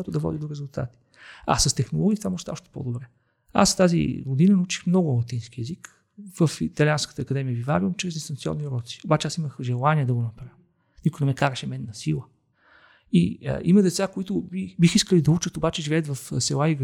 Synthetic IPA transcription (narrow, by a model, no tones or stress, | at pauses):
at̪ʊd̪ɐvɔ̰d̪id̪oɾɛzulˠt̪a̰t̪i̥ | a̰səst̪ɛxnolˠɔɡʲit̪vamɔʒt̪aɔʃt̪ɛ̥po̰d̪obɾɛ | a̰st̪azḭɡod̪inənɐut͡ʃi̥xmnɔɡʊmlˠɐt̪inskiɛzik | vəfit̪ɐlʲianskə̥t̪əːkɐd̪ɛmiəbivaɾiumt͡ʃɾɛzd̪ʲist̪ɐnt̪siɔ̰nːiɾɔt̪si̥obat͡ʃɛasiməxʒɛlˠaniɛd̪ɐɡonɐpɾa | nikʊjnɛmɛkaɾəʃɛmɛnːɐsilˠə | ḭə̰ʔimɐd̪ɛt̪sakoit̪ʊbibixiskəlid̪ɐut͡ʃət̪obat͡ʃɛʒivɛət̪vɐfsɛlˠaiv